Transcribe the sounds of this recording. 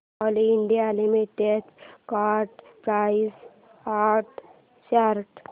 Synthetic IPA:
ɔliiɳɖijalimiʈet̪kaɾʈpɾais | aɾʈ | ɕaɾʈ

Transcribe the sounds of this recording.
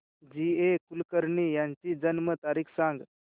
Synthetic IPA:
d͡ʑiekulkəɾɳijãɲt͡ɕiːd͡ʑənmət̪aɾiːkʰsãŋɡ

